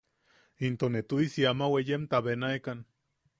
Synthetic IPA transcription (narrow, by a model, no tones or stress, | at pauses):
int̪onet̪uisiamawejemt̪aβenaekan